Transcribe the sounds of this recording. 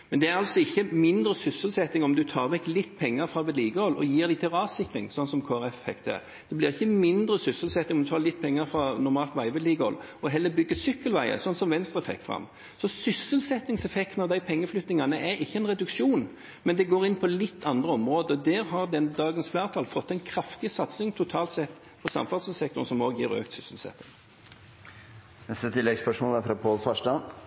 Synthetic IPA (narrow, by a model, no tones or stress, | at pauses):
mɛnd̪ɛæɾɑlsɔɪçːəmɪnd̪ɾəsʏsəlsɛt̪ːɪŋɔmd̪ʉt̪ʰɑːʁʋɛklɪt̪ːpʰɛŋːɑɾfɾɑʋɛːd̪liːɡəhɔlːɔ̰jiːɾd̪æɪt̪ʰɪlɑːʋsɪkɾɪŋsɔnːsɔmkʰoːæɾɛfhɛ̰kt̪hæ̰ːʁ | d̪̥ɛblɪɾɪçːəmɪnd̪ɾəsʏsəlsɛt̪ːɪŋɔmd̪ʉt̪ʰɑːlɪt̪ːpʰɛŋːɑɾfɾɑnʊɾmɑːlt̪ʋæɪʋɛːd̪liːɡəɔ̰lː | ɔɦɛlːəbʏɡːəsʏkːəlʋæɪə̰sɔnːsɔmʋɛnst̪ɾəɛfɛ̰k̚t̪fʁɑ̰mː | sɔsʏsəlsɛt̪ːɪŋsɛfɛkt̪nɑʁd̪æɪpʰɛŋːəflʏt̪nɪŋɑnəʔæɾɪçːəɛnʁɛd̪ʉkʃuːn | mɛnd̪ɛɡoːɾɪnːpʰɔlɪt̪ʰːɑnd̪ʁəɔmɾoːd̪əd̪ɛːɾɦɑɾd̪ɛnd̪ɑːɡənsflæːʁt̪ʰɑːlfɔt̪ːæɛɪnkʰɾɑft̪ɪsɑt̪sɪŋt̪ʰʊt̪ʰɑːlt̪sɛt̪ː | pʰɔsɑ̰mfɑʁd̪səsɛkt̪ʊʁnsɔmoːɡjiːɾø̰ːk̚t̪sʏsəlsɛ̰t̪ːɪ̰ŋ | nɛst̪ət̪ʰɪlːɛɡspœʂmoːlæfɾɑpʰoːlfɑʂdɑ